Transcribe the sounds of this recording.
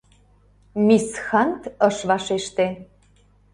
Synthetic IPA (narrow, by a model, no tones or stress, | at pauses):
misxɑnt̪əʃβɑʃeʃt̪e